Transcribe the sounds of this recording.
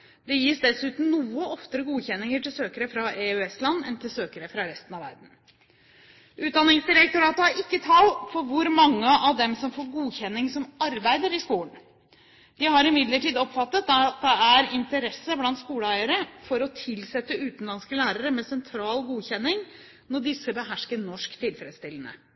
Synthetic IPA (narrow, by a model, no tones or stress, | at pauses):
d̪̥ɛjiːsd̪ɛsʉːt̪n̩nuːəɔft̪əɾəɡuːçɛnːɪŋəʈʰɪlsøːkəɾəfɾɑɛʉɛslɑnːɛ̰nt̪ʰɪlsøːkəɾəfɾɑɾɛst̪n̩ɑʋæ̰ɾɖn̩ | ʔʉːt̪̚d̪ɑnːɪŋsd̪ɪɾɛk̚t̪ʊɾɑːt̪əɑɾɪkːət̪ʰɑlfɔɾʋʊɾmɑŋːəʔɑʋd̪ɛmsɔmfoːɾɡuːçɛnːɪŋsɔmɑɾbæɪd̪əɾɪskuːən | d̪̥ɪhɑɾɪmɪd̪ləʈiːd̪ɔpːfɑt̪ːət̪̚t̪̚d̪ɛæɾɪnt̪əɾɛsːəblɑnt̪skuːləæɪəɾəfɔɾɔt̪ʰɪlsɛt̪ːəʉːt̪n̩lɑnskəlæːɾəɾəmɛsɛnt̪ʰɾɑːlɡuːçɛnːɪŋ | nɔɖɪsːəbəɦæʂkənɔʂkt̪ʰɪlfɾɛd̪st̪ɪlənə̰